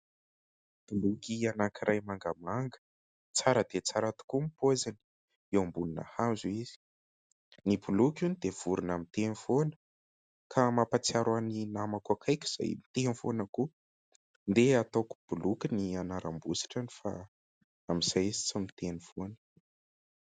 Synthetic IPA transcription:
b̥ulukʲianakiɾʔajmaŋɡamaŋɡə̥ | t͡saɾəd̪et͡saɾat̪u̥kumipozani̥ | ewambulunə̰hazuiz̥i̥ | nibulukʲunid̪̥ev̥uɾunamit̪enivonə̥ | kʰamapat͡siaɾaninamakuakʰajkʲi̥z̥a̰jmit̪enfonəku | nd̪eat̪oku̥b̥ulukinianaɾambusi̥ʈ͡ʂanifa̰ | amiz̥ajizi̥t͡samit̪eniv̥onə̥

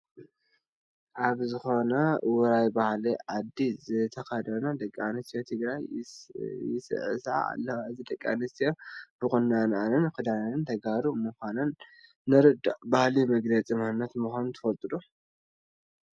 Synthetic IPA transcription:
ʔaβzɨxo̞nɐwɔɾajbahliʕad̪ːizɨt̪ʰɐkɐd̪ɐnad̪ɐkʼːanɨst̪ʰijot̪ʰɨɡɾaj | jɪsɨ̰ʕɨ̰sʕa̰a̰lːɐwaɨzid̪ɐkʼːa̰nɨst̪ijob̥ɨkʼɨnːananɨnkɨd̪ananɨnt̪ʰɐɡaɾumɨxʷanɐnː | ɨɾɨd̪aʔbahlimɐɡɾɐt͡sʼimɨhɨnːɐt̪muxʷanut̪ʰɨ̥fɐlt̪ʼɨd̪u

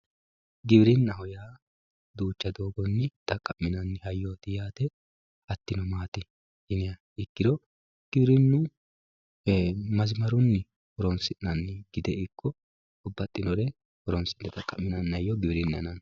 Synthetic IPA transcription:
ɡɪbɾɪnːɐhɔjaː | d̪uːt͡ʃːɐd̪o̞ːɡɔnːɪt̪ʼɐkʼːɐmːɪnɐnːɪhɐjːoːt̪ɪjaːt̪ɛ | ɐt̪ːɪnɔmaːt̪ɪ | ɪnɛjɐ | ɪkːɪd̪ɔ | ɡ̥ɪbɾɪnːʊ | mɐzmɐɾʊnːɪ | hɔɾɔmsɪnːɐnːɡ̥ɪd̪ɛɪkʰːɔ | ɔbːɐt̪ʼːɪnɔɾɛ | hɔɾɔmsɪnːɛt̪ʼɐkʼːɐmːɪnɐnːɐjːɔɡɪbɾɪnːɛɐ̰nɐn

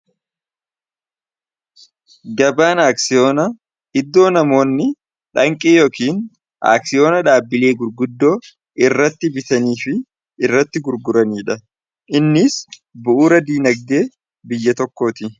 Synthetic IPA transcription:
ɡɐbaːnaːksɪjo̞ːnɐ | ɪd̪ːo̞ːnɐmo̞ːnːɪ | ᶑɐŋkʼeːjoːkiːn | ʔa̰ːksɪjo̞ːnɐᶑaːbːɪle̞ːɡʊɾɡʊd̪ːo̞ː | ɪrːɐt̪ːɪbɪt̪ɐniːfɪː | rːɐt̪ːɪɡʊɾɡʊɾɐniːᶑɐ | ʔɪnːɪsbʊʔuːɾɐd̪iːnɐɡ̚d̪e̞ː | bɪjːɐt̪ɔkːo̞ːt̪ɪ

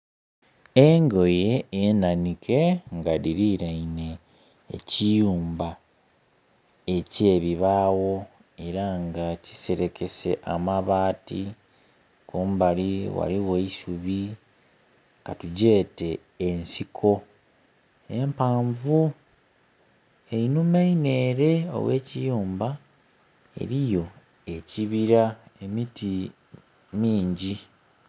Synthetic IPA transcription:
e̞ŋɡo̞je̞ːnanikʰe̞ŋɡadiɾiɾaine̞̰ː | cijuːmba | e̞ce̞ːβiβaːwo̞ | e̞ɾaŋɡaci̥se̞ɾe̞ke̞se̞̰ʔamaβaːti | kombaliwa̰liweisuβi | katuɟe̞ːte̞ː | nsikʰo̞ | e̞mpaːɱvu | e̞inumeine̞ːɾe̞o̰weːcijuːmba | e̞̰ɾijo̞ | e̞ciβiɾae̞miti | miːɲɟi

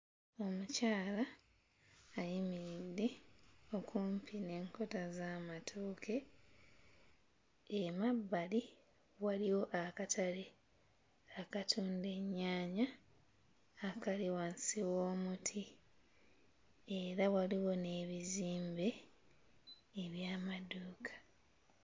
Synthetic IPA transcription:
o̞mucaːlaː | jimiɾidːe̞o̞kʰuːmpine̞ːŋko̞tazamatʰuːkʰe̞ | emabːali | waliwo̞ʔakatʰaɾe | akatʰuːnde̞ɲːaːɲa | kaliwansiwo̞ːmutʰi | eɾawaliwo̞ne̞ːβiziːmbe̞ | βjaːmaduːkʰḁ

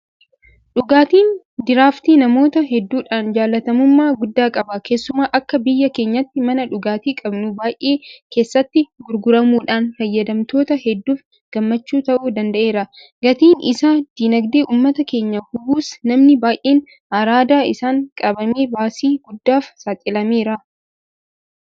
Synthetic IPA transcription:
ᶑʊɡaːt̪iːn | d̪ɪɾaːft̪iːnɐmo̞ːt̪ɐɦɛd̪ːuːᶑaːnd͡ʒaːlːɐt̪ɐmʊmːaːɡʊd̪ːaːkʼɐbɐkʰe̞ːsːʊmaːʔɐkːɐbɪjːɐke̞ːɲːɐt̪ːɪmɐnɐᶑʊɡaːt̪iːkʼɐbnʊbaːjʔeːke̞ːsːɐt̪ːɪɡʊɾɡʊɾɐmuːᶑaːnfɐjːɐd̪ɐmt̪o̞ːt̪ɐhɛd̪ːuːf | ɡ̥ɐmːɐt͡ʃːuːt̪ɐʔuːd̪ɐnd̪ɐʔe̞ːɾɐ | ɡɐt̪iːnɪ̰saːd̪̥iːnɐɡd̪eːʔuːmːɐt̪ɐke̞ːɲːɐhʊbuːsnɐmnɪbaːjʔeːn | ɐɾaːd̪aːɪsaːŋkʼɐbɐmeːbaːsiːɡʊd̪ːaːfsaːt̪ʼɪlɐmeːɾɐ

